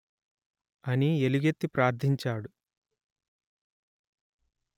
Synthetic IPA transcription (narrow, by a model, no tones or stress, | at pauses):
ɐnieluɡet̪ːipɾaːɾd̪ʱiɲt͡ʃaːɽu